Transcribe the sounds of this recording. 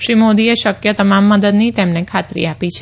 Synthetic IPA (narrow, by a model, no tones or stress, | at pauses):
ʃɾimod̪ieʃəkjət̪əmamːəd̪əd̪nit̪emnekʰat̪ɾḭapit͡ʃʰe